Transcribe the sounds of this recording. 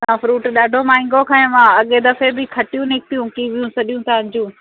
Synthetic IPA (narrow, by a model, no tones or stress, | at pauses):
sãːfɾuːʈɗaːɖʱomaːɪ̃ŋɡokʰãẽmãɐɠed̪ɐfebɪkʰɐʈijũnɪk̚t̪ijũkiʋijũsɐɗijũt̪ʰaɐ̃d͡ʑũː